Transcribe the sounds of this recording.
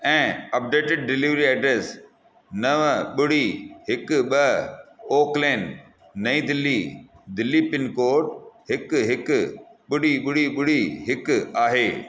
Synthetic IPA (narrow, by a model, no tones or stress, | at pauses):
ɛ̃ːɐp̚ɖeːʈɪɖ̚ːɪlɪʋɾiɐɖɾeːs | nɐʋɓʊɽiɦɪkɓɐoːkleːnː | ɐĩd̪ɪlːiː | d̪ɪlːipɪnkoːɾʈɦɪkɦɪkɓʊɽiɓʊɽiɓʊɽiɦɪkaːɦeː